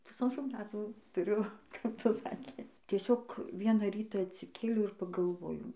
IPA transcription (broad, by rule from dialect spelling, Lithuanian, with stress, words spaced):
pʊsɐnˈtruː ˈmʲæːtuː tʊˈrʲʊ kɐp ˈtɐs ˈsɑːkʲeː tʲiɛˈsʲoːk ˈʋʲiɛnɐ ˈrʲiːtɐ ɐtʲsʲɪˈkʲeːlʲɛʊ ɪr pɐɡɐlˠˈʋoːjɛʊ